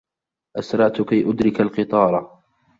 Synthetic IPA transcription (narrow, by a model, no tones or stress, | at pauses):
ʔasɾˤɑʕt̪ʊkajʔʊd̪ɾɪkalqɨt̪ˤɑːɾˤɑ